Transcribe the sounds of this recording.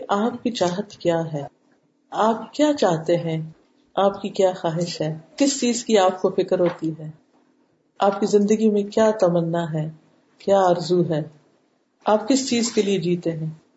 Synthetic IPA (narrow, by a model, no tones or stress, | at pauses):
ʔaːp̚kit͡ʃaːɦət̪kjaːɦɛː | aːpkjaːt͡ʃaːɦt̪eɦɛ̃ | aːpkikjaːxaːɦɪʃɦɛːkɪst͡ʃiːzkiaːp̚kofɪkəɾɦoːt̪iɦɛː | aːpkizɪ̃nd̪əɡimẽkjaːt̪ɐmənːaɦɛː | kjaːaːɾzuɦɛː | aːpkɪst͡ʃiːzkelied͡ʒiːt̪eɦɛ̃ː